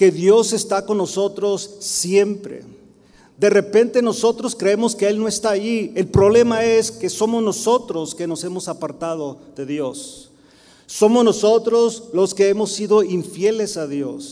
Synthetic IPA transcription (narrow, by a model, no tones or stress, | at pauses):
ke̞ðjo̞se̞st̪ako̞nːoso̞t̪ɾo̞sːje̞mpɾe̞̰ | d̪e̞re̞pe̞nt̪e̞no̞so̞t̪ɾo̞skɾeemo̞skeelno̞est̪aːjie̞lpɾo̞βle̞mae̞ske̞so̞mo̞zno̞so̞t̪ɾo̞ske̞no̞se̞mo̞sapaɾt̪að̞o̞ðe̞ðjo̞sː | o̞mozno̞so̞t̪ɾo̞zlo̞ske̞emo̞siðo̞iɱfje̞le̞saðjo̞s